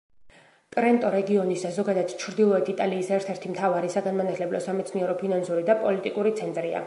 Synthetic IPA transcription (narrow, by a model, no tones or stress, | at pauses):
kʼɾɛnt̪ʼɔɾɛɡiɔnisazɔɡad̪at̪t͡ʃʰɾd̪ilˠɔɛt̪ʰit̪ʼaliːsɛɾt̪ʰɛɾt̪ʰimt̪ʰavaɾisaɡanmanat̪ʰlɛblɔ̰samɛt̪sʰniɛɾɔpʰinansuɾid̪apʼɔlit̪ʼikʼuɾit̪sʰɛnt̪ʼɾia̰